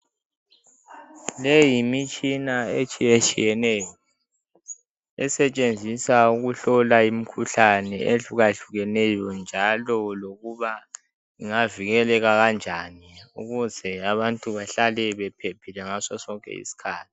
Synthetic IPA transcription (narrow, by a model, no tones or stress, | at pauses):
lejimit͡ʃʼinaet͡ʃʼijet͡ʃʼijɛnɛːjɔ | ɛsɛt͡ʃʼend͡zʱisauɣuɬɔlaim̩kʰuɬanɛʔeɬuɣaɬuɣɛnɛjɔnd͡ʒʱalɔloɣuβa | iŋaviɣɛlɛɣaɣand͡ʒʱaniuɣuzɛaβantʼuβaɬalɛβɛpʰepʰilɛŋasɔsɔŋkʼɛ̰ḭsi̥kʰaːtʰi̥